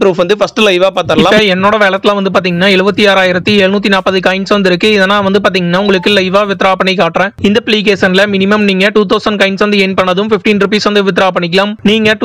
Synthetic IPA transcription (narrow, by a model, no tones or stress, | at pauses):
pɾuːfʋɐnd̪ɯfɐsʈɯlɐɪʋaːpaːɾt̪aːɪɐlãːɐɛnːoːɽɐʋeːɭɐt̪ːɪlãːʋɐnd̪ɯp̬aːɾt̪iːŋɡɐnːaːɛɻɯbɐt̪ːiaːɾaːjɪɾɐt̪ːiɛɭnuːt̪̬ːinaːpɐðɯkɐɪnsʋɐnd̪ɪɾɯkːɯɪðɛnːaːʋɐnd̪ɯpaːɾt̪̬iːŋɡɐnːaːʊŋɡɐɭɯkːɯlɐɪʋaːʋɪt̪ːɪɾaːpɐɳːɛɪkaːʈːɾɛ̃ːɪnd̪ɐpliːk̬eːsɐnlɐmɪnɪmɐmniːŋɡɐʈuːt̪̬ɐʊsɐnɖkɐɪnsʋɐnd̪ɯɛnpɐɳːɐðɯmfɪfʈiːnɾʊp̬iːsʋɐnd̪ɯʋɪt̪̬ːɪɾaːpɐɳːɪk̬ːɐlaːmniːŋɡɐʈ